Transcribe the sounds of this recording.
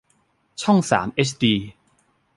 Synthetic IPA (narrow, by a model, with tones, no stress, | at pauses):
t͡ɕʰɔ˥˩ŋsa̰ː˩˦mʔe˦˥t͡ɕʰdiː˧